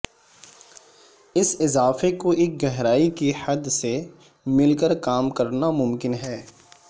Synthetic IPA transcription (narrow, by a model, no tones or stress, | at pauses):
ɪsɪzaːfekoʔeːk̚ɡɛɦɾaːikihɐd̪se | mɪlkəɾkaːmkɐɾnamʊmkɪnɦɛː